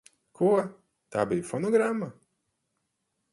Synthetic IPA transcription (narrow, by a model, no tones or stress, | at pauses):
kʰuɔ | t̪a̰ːbijufɔnɔɡɾamːa